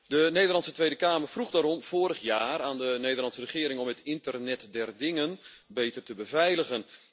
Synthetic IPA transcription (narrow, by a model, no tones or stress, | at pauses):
dənejdərlɑnsətʋejdəkaːmərfruɣdaːɾɔmv̥oːɾəχjaːɾaːndəneːdəlɑntsərəχɪːɾɪŋɔmətɪntərnɛtdɛrdɪŋənbeːtərtəbəvɛjləɣən